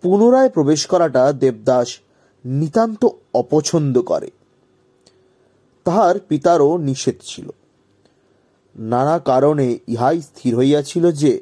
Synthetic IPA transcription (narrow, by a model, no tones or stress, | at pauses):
punoɾaepɾobeʃkɔɾaʈad̪eb̚d̪aʃ | nit̪ant̪oɔpot͡ɕʰond̪okɔ̰ɾḛ | t̪aɦaɾpit̪aɾoniʃed̪t͡ɕʰilo̰ | nanakaɾoneiɦajst̪ʰiɾɦojjat͡ɕʰilod͡ʑe